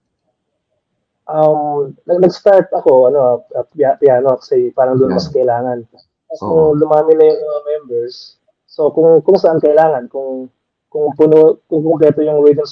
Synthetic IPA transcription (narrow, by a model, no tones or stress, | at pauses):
ʔɐmnɐnɐɡst̪aɹt̪ɐko̞ʔɐno̞ʔaɐjapɪjaːnoɐkɐ̥sɛjpaːɾɐŋd̪ʊnmɐskɐʔɪlaːŋɐn | ɐʊŋlʊmaːmɪnɐjʊŋɐmɛmbɛɹsː | o̞kʊŋkʊŋsɐʔankɐʔɪlaːŋɐnkʊŋ | kʊŋpʊnokʊŋkʊŋkɾɛːt̪ojʊŋwɛd̪ɪms